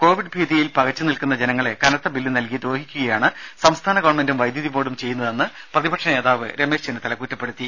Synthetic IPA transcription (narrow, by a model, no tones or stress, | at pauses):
ko̞ːʋiɖ̚bʱiːðijilpɐɣɐt͡ɕːɨnilkun̪ːɐd͡ʑe̞nɐŋːɐɭe̞kɐnɐt̪ːɐbilːinɐlkid̪ɾoːɦikʲːuɣɐjaːɳɨsɐmst̪ʰaːnɐɡoːrɐɳme̞ndumʋɐjd̪jɐðipoːɽumt͡ɕe̞jːunːɐðenːɨprɐðibɐkʂɳɐeːðaːʋɨ̰ɾe̞me̞ːʂt͡ɕenet̪ɐlɐkːuːtːɐpːe̞ɽut̪ːi